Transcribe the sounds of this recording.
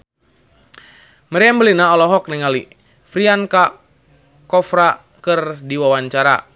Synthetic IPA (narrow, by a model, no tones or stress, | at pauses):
məɾɛambəlinaɔlɔɦɔk̚nɛŋali | fɾianka | kɔfɾa | kɨrdiwawaɲt͡ʃaɾa̰